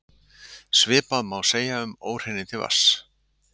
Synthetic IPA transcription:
svɪːpaðmawseːjaʏmoːwɾ̥hɪnːɪt̪ʰɪlva̰s

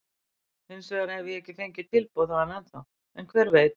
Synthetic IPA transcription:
ɪnsvɛðaɾɛvðɪɛhcɪθejɲcɪt̪ʰɪlpowðaðanɛnθaw | ɛnkʰvɛːɾveːjt̪

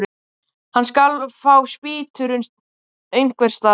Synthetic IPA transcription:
ɾ | hanːskalfaːwspɪːt̪ʰʏɾʏn | eɥjŋ̥kvɛɾ̥st̪aː

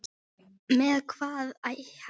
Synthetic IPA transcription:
mɛːðkʰv̥aːðajh

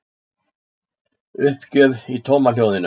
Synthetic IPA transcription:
ʏhpcœːvit̪ʰowmaljowðɪnʏ

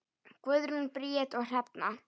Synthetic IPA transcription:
kvʏðɾʏnpɾiɛt̪ɔɣr̥ɛpna

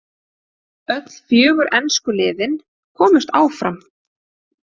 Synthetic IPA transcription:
œt̪l̥fjœːɣʏɾʔɛnskʏlɪːðɪn | kʰɔːmʏst̪aːwfɾam

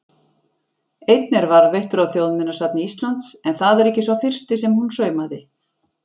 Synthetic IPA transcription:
ejt̪nɛɾvaɾveht̪ʏɾawθjowðmɪnːasat̪nɪist̪lant̪sɛnθaðɛɾɛhcɪsvafɪr̥st̪ɪsɛmhunsœːɥmaðɪ

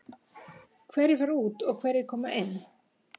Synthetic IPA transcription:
kʰvɛɾɪɾvaɾuːt̪ɔɣkʰv̥ɛɾɪɾ̥kʰɔːmaʔɪnː

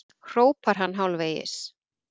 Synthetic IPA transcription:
kʰroːwpaɾ̥ɦanːɦawlveːjɪ̰s

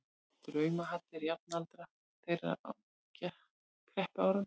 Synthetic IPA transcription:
t̪ɾœːɥmaɦat̪ːɪɾjap̚nalt̪ɾa | θejɾa̰a̰w | cɛ | kʰɾɛhpaːwɾʏm

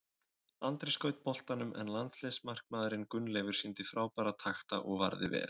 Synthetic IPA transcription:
ant̪ɾɪskœɥt̪̚pʰɔl̥t̪anʏmʔɛ̰nlant̪slesmar̥kmaːðɾɪnkʏnːlɛːvʏɾ̥sint̪ɪfɾaːwpaːɾat̪ʰaxt̪a̰ʔɔɣva̰ɾðɪvɛ̰ːɾ

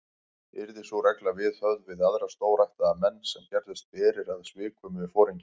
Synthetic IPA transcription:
ɪ̰ɾðɪsvɔɾɛjklavɪðhœɣðvɪðaðɾast̪oːwɾajht̪aðamɛnːsɛmcɛɾðɪst̪̚pɛːɾɪɾaðsvɪːkʰvʏmʏðɪfɔːɾiɲcɪ

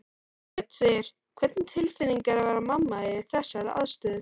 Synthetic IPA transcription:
kʰvɛt̪n̥sejɾ̥ | kʰvɛt̪nt̪ʰɪlfɪnːiŋkaɾavaɾamamːaɪɪ̥θɛsːaɾa̰ðst̪œðʏ

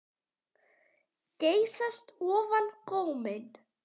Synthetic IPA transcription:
ceːjsast̪ɔːvankowmɪn

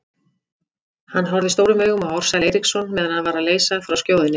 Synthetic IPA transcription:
hanːɦɔɾðɪst̪oːwɾʏmœːɣʏmaɔwɾ̥salejɾiksɔnmɛːðanhaðvaːɾaleːjsaðfɾawscjoːwðɪnɪ

